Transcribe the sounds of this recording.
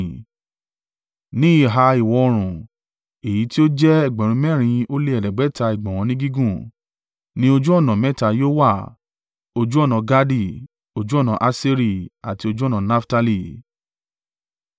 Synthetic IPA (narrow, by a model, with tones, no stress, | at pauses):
nĩ˦i˦˨ɦa˧i˨wɔ˧o˧ɾ̃ũ˨ | e˨ji˨˦ti˦o˦d͡ʒɛ˦ɛ˨ɡ͡bɛ̃˨ɾ̃ũ˧˦mɛ̃˦˨ɾ̃ĩ˧o˦le˦ɛ˨lɛ˨ɡ͡bɛ˨˦ta˧i˨ɡ͡bɔ̃˨w̃ɔ̃˨˧nĩ˦ɡi˦ɡũ˦˨ | nĩ˦o˧d͡ʒu˦ɔ˦˨nã˨mɛ˦˨ta˧joː˦wa˦˨ | o˧d͡ʒu˦ɔ˦˨nã˧ɡa˦di˦˨ | o˧d͡ʒu˦ɔ˦˨nã˨˧ʔa˧˦si˦ɾi˦˨a˨ti˧o˧d͡ʒu˦ɔ˦˨nã˨na˦fta˧li˦˨